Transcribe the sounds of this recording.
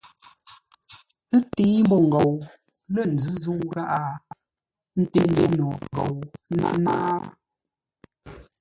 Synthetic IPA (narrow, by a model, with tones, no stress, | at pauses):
ɨ˦tiː˦m˦bɔ˦ŋ̩˨ɡɔ˨w | lə˦˨n̩˨d͡zɨ˦zu˦ŋ˦ɣa˦ʔa˦ | n̩˦te˦nde˨nɔ˨ɡɔ̰˨wna̰˦na˦